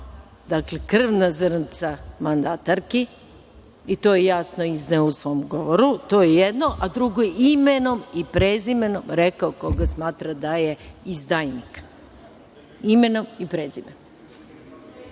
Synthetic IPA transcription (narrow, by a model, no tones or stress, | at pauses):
d̪aklekr̩ʋnazrnt̪samand̪at̪aɾki | it̪o̞jejasnoizneousʋo̞mɡo̞ʋoɾut̪ojejed̪no̞ʔad̪ɾuɡojeimeno̞mipɾezimenomɾekaokoɡasmaːt̪ɾad̪ajeizd̪ajnik | imeno̞mipɾezimeno